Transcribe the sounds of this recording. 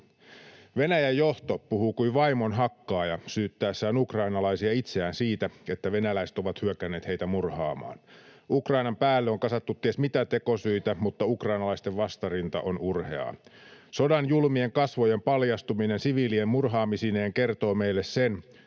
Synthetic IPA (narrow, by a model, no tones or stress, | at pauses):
ʋe̞næjæjːoht̪oppuhukuiʋɑimo̞nɦɑkːɑːjɑsyːt̪ːæːsːæonukrɑinɑlɑisiɑit̪seæːnsiːt̪æet̪ːæʋe̞nælæiset̪o̞ʋɑt̪hyøkæne̞ːt̪heit̪æmurhɑːmɑ̰ːnukrɑinɑmpæːlːeoŋkɑsɑt̪ːut̪ːiesmit̪æt̪eko̞syit̪æmut̪ːɑukrɑinɑlɑist̪eʋʋɑst̪ɑrint̪ɑ̰ʔonurhḛɑ̰ːso̞dɑnjulmie̞ŋkɑsʋojempɑljɑst̪uminensiʋiːliemmurɦɑːmisineːŋke̞rt̪o̞ːmeilːessen